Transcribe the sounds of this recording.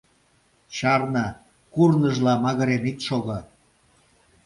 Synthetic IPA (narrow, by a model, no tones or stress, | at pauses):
t͡ɕɑrnɑ | kurnəʒlɑmɑɣə̆ɾenit̪ʃoɣɤ̆